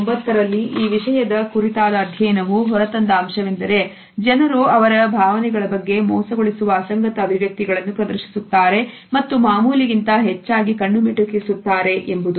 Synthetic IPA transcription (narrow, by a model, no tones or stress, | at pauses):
mbɐt̪ːɐɾɐlːiʔiːʋiʂɐjɐd̪ɐkuɾit̪aːd̪ɐːd̪ʱjɐjnɐʋuɦɔɾɐt̪ɐnd̪ɐːmʃɐʋind̪ɐɾe̞ | d͡ʒɐnɐɾuɐʋɐɾɐbʱaːʋɐnɛɡɐɭɐbɐɡːe̞mɔːsɐɡoɭisuʋɐːsɐŋɡɐt̪ɐːbʱiʋjɐk̚t̪iɡɐɭɐnːupɾɐd̪ɐɾʃi̥sut̪ːaːɾe̞ | mɐt̪ːumaːmuːliɡint̪ɐɦɛt͡ʃːaːɡikɐɳːumiʈukisut̪ːaːɾe̞ʔembud̪u